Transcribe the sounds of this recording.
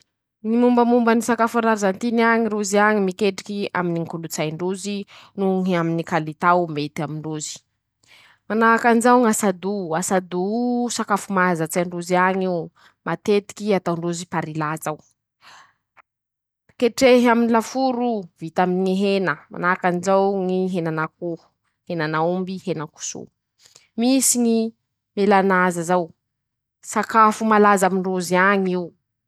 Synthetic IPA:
ŋimumbəmumbənisakafaɾaɾizant̪inaɲiɾuziaŋimikeʈ͡ʂi̥kia̰miniŋkulut͡sajɳɖ͡ʐuzinuŋaminikalit̪awmet̪amiɳɖ͡ʐuzi̥ | manaakanzaŋasad̪uasad̪usakafumazət͡saɳɖ͡ʐuziaɲu | mat̪et̪i̥kʲiat̪awɳɖ͡ʐuzipaɾilat͡saw | keʈ͡ʂeɦaminilafuɾuvit̪aminŋiɦenəma̰nakanizawŋiɦenanak̚u̥ | henanaumbihenəku̥sṵ | misiŋi | melanazazaw | sakafumalazamiɳɖ͡ʐuziaɲiu

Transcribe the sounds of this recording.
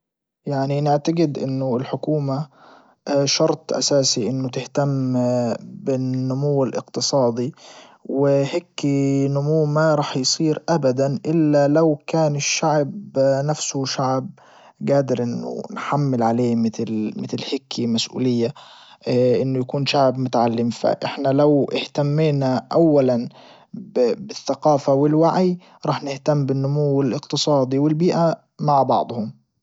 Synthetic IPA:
jaʕninɪʕt̪aɡɪd̪ʔɪnːʊɪlħʊkuːma | ʃɑɾˤt̪ˤʔa̰saːsiʔɪnːʊt̪ɪht̪am | bɪnnːʊmʊwːɪlʔɪ̰qt̪ɨsˤɑːd̪ˤiwɪhɪkːinʊmuːmaɾˤɑːħjsˤiːɾʔabad̪anʔɪlːalawkaːnɪʃːaʕbnafsʊʃaʕb̚ | ɡaːd̪ɪɾʔɪnːʊ̰nħamːɪlʕaleːmɪt̪lmɪt̪ɪlhɪkʰːimasʔṵːlɪjːa | ʔɪnːʊjakuːnʃaʕbmʊt̪aʕalːɪmfa̰ʔɪħnalawʔɪht̪amːiːnaʔawːalan | bbɪθːaqɑːfawɪlwaʕij | ɾˤɑːħnɪht̪amːbɪnːʊmuwɪlɪqt̪ɨsˤɑːd̪ˤiwɪlbiːʔa | maʕbɑ̰ʕd̪ˤhʊm

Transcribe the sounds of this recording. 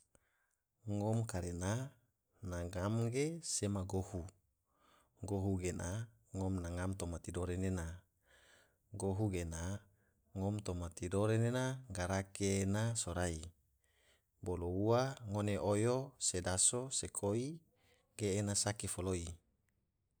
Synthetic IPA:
ŋɔmkaɾena | naŋamɡesemaɡohu | ɡoɦuɡena | ŋɔmnaŋamt̪omat̪idoɾenena | ɡoɦuɡena | ŋɔmt̪omat̪idoɾenenaɡaɾakenasoɾai | bolouaŋoneʔojosedasosekʰoi | ɡ̥eːnasakifoloi

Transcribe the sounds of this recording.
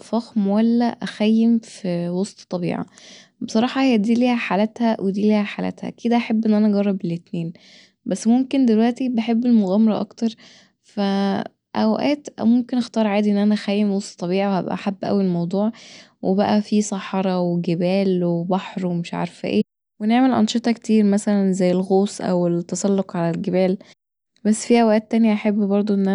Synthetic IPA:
fɑxmowælːæʔæxæjːemfwosˤt̪t̪ˤːɑbḭːʕɑ̰besˤɑɾˤɑːħɑhejːæd̪iːliːhæħalæt̪hæwʔed̪iːliːhæħaːlæ̰t̪hæ̰ʔækiːd̪æʔæħabːʔenːʔænæʔɑɡɑrˤːɑbelet̪neːn | bæsːmomkend̪elwæʔt̪ibeħebːelmoɣæːmɑɾˤɑʔɑ̰kt̪ɑɾˤ | fæ | ʔæwʔæ̰ːt̪ʔæ̰momkenʔɑxt̪ɑːɾˤʕaːd̪iʔenːʔænæxæjːemosˤt̪ˤːɑβiːʕiwhæ̰bʔæ̰ʔħabːʔæ̰wielmɑwd̪ˤuːʕ | wʔebæʔæfisˤɑħɑɾˤɑweɡebæːlwebɑħɾwemeʃʕɑ̰ɾˤfæ̰ʔḛː | weneʕmelʔɑ̰nʃet̪ˤɑkt̪iːɾmæsælænzæjːelɣoːsˤʔæ̰wet̪ːɑsˤɑlːoqʕalælɡebæːl | bæsːfiːʔæwʔæːt̪ːænjæʔaħebːbɑɾˤd̪ˤoʔenːʔæ

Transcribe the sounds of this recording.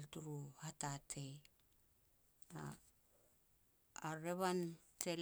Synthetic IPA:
ltuɾuhatatʰej | a | ɾeβantʰel

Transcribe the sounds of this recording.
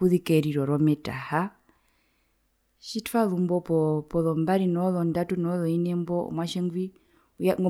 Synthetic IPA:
uðikɛɾiɾɔɾɔmɛta̰ha | ʃitfalumbɔpɔpɔlɔmbaɾinɔlɔndatunɔlɔinɛmbɔ̰mwaʃɛŋɡwi | ujaŋɡɔ

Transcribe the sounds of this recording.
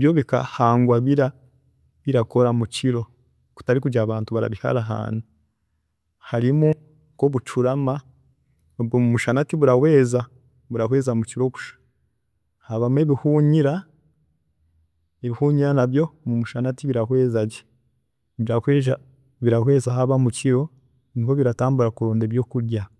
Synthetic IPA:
βjoβika̰haːŋɡwaβiɾa | βiɾako̞ɾamuciɾo̞ | ku̥taɾikuɟaːβaːntuβaɾa̰βiha̰ɾaɦa̰ːn̥u | haɾimu | koβut͡ʃuɾama | obɡomumuʃanatiβuɾawe̞ːza | βuɾakwe̞ːzamuciɾo̞ku̥ʃḁ | haβameβihuːɲiɾa | eβihuːɲiɾanabjo̞mumuʃanatiβiɾakwe̞ːzaɟe | βiɾakweːʒa | βiɾakwe̞ːzaɦaβamuciɾo̞ | niɦoβiɾataːmbuɾakuɾo̞ːndeβjo̞kuɾɟa

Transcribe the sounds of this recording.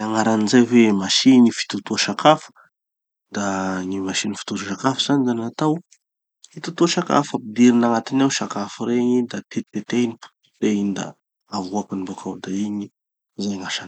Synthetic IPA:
aŋaɾanizajvemaʃiɲifi̥t̪ut̪uʃakʰafə̥ | d̪aŋimaʃinifi̥t̪uʃuʃakafəz̥anizanat̪aw | fit̪ut̪uʃaka̰fapid̪iɾinaŋat̪inawʃakafiɾeɲid̪at̪et̪et̪enipu̥ | t̪einid̪a̰ | avuakinibokʰawd̪aiɲi | zajŋaʃan

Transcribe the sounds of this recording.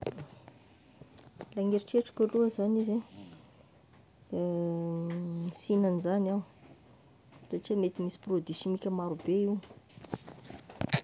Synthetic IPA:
laŋɡeɾiʈ͡ʂeaʈ͡ʂḁkʲaluazanize | sinanizanaw | saʈ͡ʂiamet̪imisi̥prod̪isimikʲəmaɾubeiw

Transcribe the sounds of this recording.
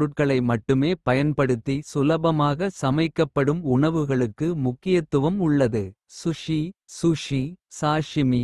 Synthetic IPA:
ɽɯʈ̚kɐɭɐɪmɐʈːɯmeːpɐjɐnpɐɽɯt̪ːisʊlɐbɐmaːɣɐsɐmɐɪkːɐpːɐɽɯmʊɳɐʋɯɣɐɭɯkːɯmʊkːɪjɐt̪ːɯʋɐmʊɭːɐðɯ | sʊʂisʊʂisaːʂɪmi

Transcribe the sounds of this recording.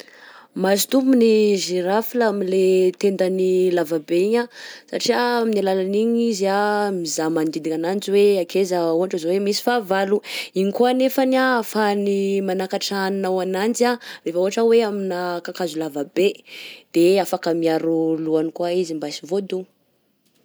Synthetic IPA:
masi̥t̪ubuniʒiɾafilaamilet̪end̪anilavabeiɲasaʈ͡ʂiaminilalaniɲizamizamand̪id̪iɲanand͡ziweakezauɦaʈ͡ʂizawemisi̥favaluiɲikuanefanafanimanakaʈ͡ʂannawanand͡ʒarefəuɦaʈ͡ʂəweaminakakazulavabed̪̥eafakəmiaɾuluanikwaizimbaisivod̪u

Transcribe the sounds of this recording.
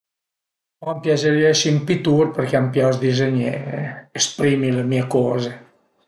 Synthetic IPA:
ɔmpjad͡ʒeɾiesimpit̪urpərkeampjɔsd̪izeɲeeespɾiːmilemiekɔːze

